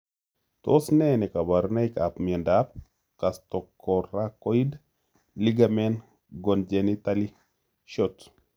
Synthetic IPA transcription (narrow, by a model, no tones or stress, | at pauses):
t̪o̰snɛnɛkabaɾnaikapmɛndap̚ | kast̪ɔkːɔɾakoid | liɡamɛn | ɡɔnd͡ʒɛnit̪ali | ʃot